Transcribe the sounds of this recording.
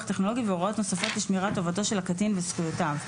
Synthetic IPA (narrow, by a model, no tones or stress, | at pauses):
χteχno̞lo̞ɡiveoʁao̞t̪nosafo̞tliʃmiʁato̞vato̞ʃelakatinvesχujotav